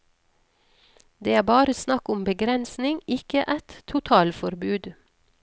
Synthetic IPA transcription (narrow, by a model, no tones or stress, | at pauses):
d̪eːæːbɑːɾəsnɑkʊmbəɡɾɛnsnɪŋɪkəʔæt̪ʰʊt̪ʰɑːlfɔɾbʉːd̪